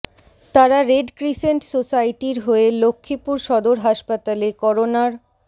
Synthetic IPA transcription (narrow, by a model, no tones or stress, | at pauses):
t̪aɾaɾeɖkɾiseɳʈsosajʈiɾɦoelokʰːipuɾʃɔd̪oɾɦaʃpat̪alekɔɾonaɾ